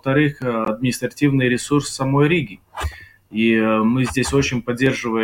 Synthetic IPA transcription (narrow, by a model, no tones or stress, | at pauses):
əft̪ɐɾɨxɐd̪mʲɪnʲɪst̪ɾɐtʲivnɨjɾʲɪsursːɐmo̞jɾʲiɡʲɪ | imɨzʲdʲesʲo̞t͡ɕɪnʲpɐdʲːe̞rʐɨvəj